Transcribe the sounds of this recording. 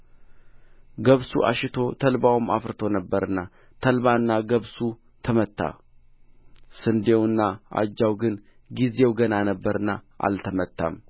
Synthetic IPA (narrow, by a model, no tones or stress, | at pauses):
ɡəβsuʔa̰ʃɪt̪ʰo̞t̪ʰəlbawma̰fɾɨt̪ʰo̞nəbːəɾɨnːa | t̪ʰəlβanːaɡəβsu | t̪ʰəmət̪ʰːa̰ | sɨnd̪e̞wɨnːaʔa̰d͡ʒːawɡɨn | ɡize̞wɡənanəbːəɾɨnːaʔa̰lt̪ʰəmət̪ʰːa̰m